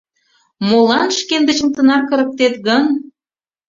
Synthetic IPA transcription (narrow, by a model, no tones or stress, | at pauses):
molɑnʃkend̪ə̆t͡ɕəmt̪ə̆nɑkːə̆ɾə̆k̚t̪et̪ɣən